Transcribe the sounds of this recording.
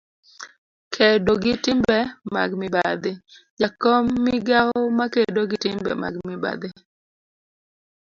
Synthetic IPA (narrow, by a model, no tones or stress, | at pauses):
kʰedoɡɪtɪmbɛma̰ɡmɪbad̪ɪd͡ʒakɔmːiɡaɔmakedoɡɪtɪmbɛ̰ma̰ɡmɪba̰d̪ɪ